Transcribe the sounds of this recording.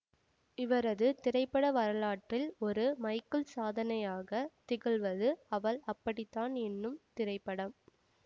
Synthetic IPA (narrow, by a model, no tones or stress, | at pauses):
ɪʋɐɾɐðɯt̪ɪɾɐɪpːɐɽɐʋɐɾɐlaːʈrɪlɔɾɯmɐɪkːɯɭsaːðɐnɐjaːɣɐt̪ɪɣɯɭʋɐðɯɐʋɐɭɐpːɐɽɪt̪ːaːnɛnːɯmt̪ɪɾɐɪpːɐɽɐm